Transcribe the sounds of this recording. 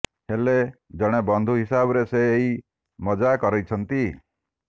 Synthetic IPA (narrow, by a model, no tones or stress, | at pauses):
heled͡ʒɔɽ̃ebɔnd̪ʱuɦisabɔɾeseːɦi | mɔd͡ʒakɔɾɔjt͡ʃʰɔnt̪i